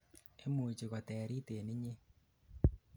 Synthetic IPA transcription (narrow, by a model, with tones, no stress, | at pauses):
e˦mu˨t͡ʃi˨ɣɔ˨tɛː˨ɾi˦te˨ni˦ɲe˦